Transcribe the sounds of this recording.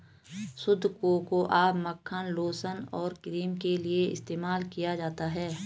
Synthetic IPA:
sʊd̪ʱːkokoʔaːbməkʰːənloːsənɔːɾkɪɾiːmkelieɪ̰st̪eːmaːlkijad͡ʒaːt̪aɦɛː

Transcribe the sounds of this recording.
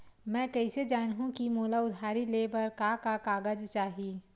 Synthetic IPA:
mɛ̃ːkɐɪsed͡ʒaːnɦũkimuːlaʊd̪ʱaːɾileːbəɾkakakaːɡəd͡ʒt͡ʃaːɦiː

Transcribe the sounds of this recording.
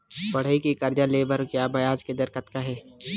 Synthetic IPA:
bɐɽ̤əikikɐɾd͡ʒaleːbəɾkjaːbɐjaːd͡ʒked̪ɐɾkət̪kaɦɛː

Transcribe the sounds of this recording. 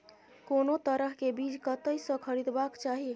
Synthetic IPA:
konot̪əɾəɦkebid͡ʒkət̪əjsə̃kʰəɾid̪bakt͡ʃaɦi

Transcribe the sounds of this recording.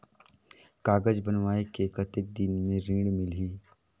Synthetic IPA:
kaːɡəd͡ʒbənʋaːekekət̪ek̚d̪inmẽɾĩːɖmɪlɦiː

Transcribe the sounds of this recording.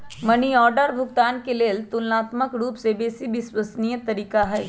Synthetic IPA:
mɐniɔːɾɖəɾbʱʊɡt̪aːnkeleːlt̪ʊlnaːt̪məkɾuːpsebeːsibɪswəsnijət̪ɐɾiːkaɦɛː

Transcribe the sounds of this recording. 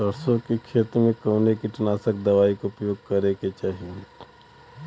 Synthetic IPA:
sɐɾsõkekʰʃeːt̪ɾəmẽkoːnekiʈɐnaːsəkd̪ɐʋaːikoʊpjoːɡ̚kɐɾeket͡ʃaːɦie

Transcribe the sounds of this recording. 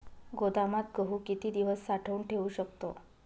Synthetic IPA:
ɡod̪amat̪̚ɡəɦuːkit̪iːd̪iʋəsːaʈʰəuɳʈʰeʋuɕəkt̪o

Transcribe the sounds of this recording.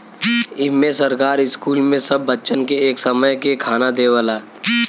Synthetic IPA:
ɪmẽsəɾkaːɾɪskuːlmẽsɐbːətːt͡ʃənkeeːksəməjkekʰaːnad̪eːʋəlaː

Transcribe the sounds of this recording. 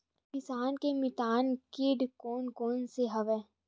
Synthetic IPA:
pɪsaːnkemɪt̪aːnkɪɖkoːnkoːnseɦɐʋɛː

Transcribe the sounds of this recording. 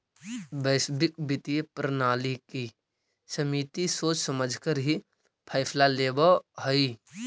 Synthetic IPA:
bəɪsbɪk̚bɪt̪ijepɾənaːliki | səmiːt̪isoːt͡ʃsəməd͡ʒʱkəɾɦi | pʰaɪpʰlaleːbəɦəi

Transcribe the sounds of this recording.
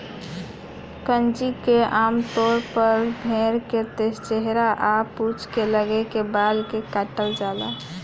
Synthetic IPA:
kənd͡ʒikeʔamt̪oɾpəɾbʱeɾket̪est͡ʃeɦɾaʔaput͡ʃʰkeləɡekebalkekaʈəld͡ʒala̰

